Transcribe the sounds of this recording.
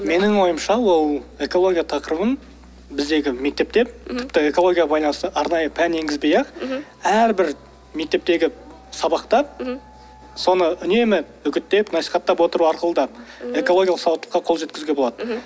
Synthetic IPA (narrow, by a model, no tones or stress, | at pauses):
me̞nɪŋwo̞jəmʃɑwo̞lˠe̞ko̞lˠo̞ɡʲijat̪ʰɑqəɾəvən | bɪzd̪e̞ɡʲɪme̞k̚t̪e̞p̚t̪e̞p̚t̪ʰɪpt̪ɪe̞ko̞lˠo̞ɡʲijabɑjlˠɑnsəʔɑɾnɑjəpʰæne̞ŋɡʲɪzbejɑq | æɾbɪɾ | me̞k̚t̪e̞p̚t̪e̞ɡʲɪ | sɑbɑqt̪ɑp̚ | so̞nəʏne̞mɪ | ʏkʲɪt̪ːe̞pnɑsi̥jχɑt̪ːɑpwo̞t̪əɾuɑɾqəlˠəd̪ɑp̚e̞ko̞lˠo̞ɡʲjlˠəqsɑwət̪lə̥qːɑqʰo̞lˠʒekʲɪzɡʲe̞boɑd̪̥ə